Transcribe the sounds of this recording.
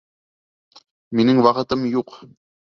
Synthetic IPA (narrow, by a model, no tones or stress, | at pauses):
minɘŋwɑqɤ̆t̪ɤmjuq